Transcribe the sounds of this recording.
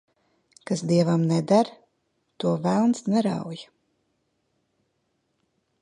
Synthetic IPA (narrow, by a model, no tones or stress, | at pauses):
kasd̪iɛvamnɛd̪aɾ | t̪uɔvælˠnsnɛɾa̰wj